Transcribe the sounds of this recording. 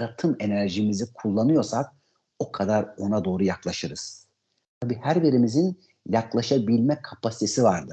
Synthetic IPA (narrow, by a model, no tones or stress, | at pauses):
ɾat̪ʰɯme̞næɾʒimizikʰulˠːanɯjo̞ɾsak̚ | o̞kʰad̪aɾo̞nad̪o̞ːɾujaklˠaʃɯɾɯz̥ | t̪ʰabiːhæɾbiɾimizin | jaklˠaʃabilʲmɛkʰapʰasi̥t̪ʰe̞sivaɾd̪ɯ